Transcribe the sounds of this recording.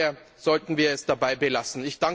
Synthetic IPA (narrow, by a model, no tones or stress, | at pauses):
ɐ | z̥ɔltn̩viːɐɛsd̥abaɪbəlasn̩ɪçd̥aŋ